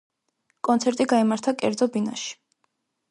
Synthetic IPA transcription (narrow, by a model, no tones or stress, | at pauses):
kʼɔnt̪sʰɛɾt̪ʼiɡaimaɾt̪ʰakʼɛ̰ɾd̪zɔbina̰ʃi̥